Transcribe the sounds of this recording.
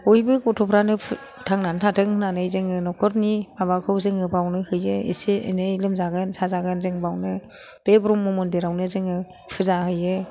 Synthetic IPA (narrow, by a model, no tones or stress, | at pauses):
ojbɯkɔtʰɔpʰɾanɯpʰ | tʰaŋnantʰatʰɯŋɯnanɯjzɯŋɯnɔkʰɔɾnibabakʰɯwzɯŋɯbawnɯhɯjɯḭseḛnɯjlɯmzaɡɯnsazaɡɯnzɯŋbawnɯ | b̥ebɾumːumundeɾawnɯzɯŋɯ | pʰɯzahɯjɯ